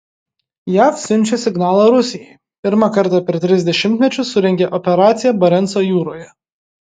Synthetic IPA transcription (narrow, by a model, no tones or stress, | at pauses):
jæːfsʲʊnʲt͡ʃʲesʲɪɡnɑːlˠɑɾʊsʲɪjɛj | pʲɪɾmɑkɐɾt̪ɑpʲɛɾʲt̪ʲɾʲɪzʲd̪ʲɛʃʲɪmʲt̪ʲmʲɛt͡ʃʲʊsʊɾʲɛŋʲɡʲeʔɔpʲɛɾɑːt̪sʲɪjɛbɐɾʲɛnsoːjuːɾoːjɛ